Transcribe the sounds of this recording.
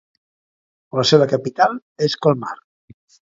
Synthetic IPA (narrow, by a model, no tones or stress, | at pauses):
ləseβəkapit̪alˠ | eskolˠma̰r